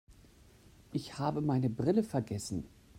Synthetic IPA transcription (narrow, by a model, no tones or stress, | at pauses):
ʔɪçhaːbəmaɪnəbʁɪləfɛɐɡɛsn̩